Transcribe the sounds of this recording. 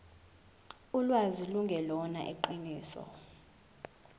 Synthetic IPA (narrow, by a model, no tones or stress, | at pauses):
ulwaziluŋɡʱɛlɔna̰ʔḛǃiniːsɔ̰